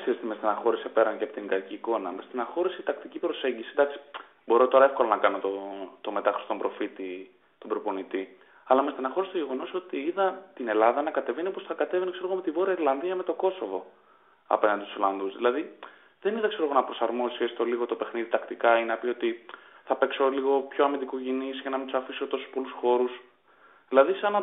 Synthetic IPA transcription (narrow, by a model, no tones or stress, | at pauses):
seɾist̪imest̪enɐxo̞ɾise̞pe̞ɾɐɲceɐpot̪iŋɡɐciːko̞nɐmest̪inɐxo̞ɾiseit̪ɐkt̪icipɾo̞se̞ɲɟisid̪ɐksi̥ | bo̞ɾo̞t̪o̞ɾɐe̞fko̞lɐnɐkɐnot̪ot̪o̞me̞t̪ɐxɾist̪obɾo̞fit̪i | t̪obɾopo̞nit̪i | ɐlɐmest̪inɐxo̞ɾist̪oʝe̞ɣo̞no̞so̞t̪iiðɐt̪ine̞lɐðɐnɐkɐt̪e̞veniposθɐkɐt̪e̞venikseoomet̪ivo̞ɾiɐiɾlɐnðiɐme̞t̪o̞ko̞so̞vo̞ | ɐ̰pe̞nɐnd̪it̪usolɐnðuzðilɐði | ðe̞niðɐkse̞ɾo̞ɣo̞nɐpɾo̞sɐɾmo̞ssiest̪oliɣo̞t̪o̞pe̞xniðit̪ɐkt̪ikɐinnɐpio̞t̪iθɐpe̞kso̞liɣo̞pço̞ɐmind̪ikuʝinisʝɐnɐmind̪usɐfisot̪o̞su̥spo̞lusxo̞ɾus | ðilɐðisɐnɐ